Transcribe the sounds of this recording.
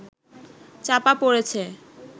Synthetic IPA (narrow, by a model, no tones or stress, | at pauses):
t͡ɕapapoɾet͡ɕʰe